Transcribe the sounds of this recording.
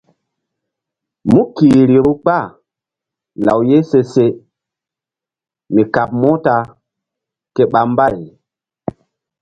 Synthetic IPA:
mu˦kiː˨ɾi˨ɾu˦k͡pa˦˨ | la̰˨wje˦se˦se˦ | mi˨ka˨p̚mo˦ta˦ | ke˦ɓa˨m˦ba˦˨j

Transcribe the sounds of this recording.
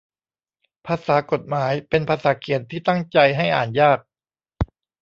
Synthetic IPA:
pʰaː˧saː˩˦ko˨˩t̪̚maː˩˦jpe˧npʰaː˧saː˩˦kʰi˨˩ənt̪ʰiː˥˩t̪a˥˩ŋt͡ɕa˧jɦa˥˩jʔa̰ː˨˩njaː˥˩k̚

